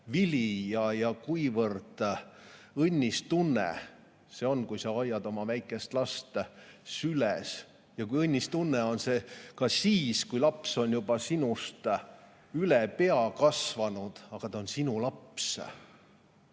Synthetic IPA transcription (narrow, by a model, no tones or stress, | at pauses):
vilijɑjɑkujvɤrd̪̥ | ɤnʲːist̪unːḛ | se̞o̞nkujsɑɑjːɑd̪o̞mɑvæjkːˑe̞st̪lɑst̪sylɛs | jɑkujɤnʲːist̪unːeo̞nse̞kɑsiːskujlɑpso̞njub̥ɑsinust̪ | ylɛpe̞ɑkɑsvɑnud̪̥ɑɡ̥ɑt̪ɑonsinulɑps